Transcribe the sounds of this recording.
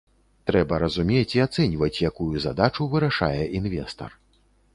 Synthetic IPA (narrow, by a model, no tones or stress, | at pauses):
t̪ɾɛbɐɾɐzumʲet͡sʲiat̪sɛnʲivɐt͡sʲjakujuza̰d̪at͡ʂuvɨɾaʂa̰jɛʔinvʲɛ̰st̪ɐ̰r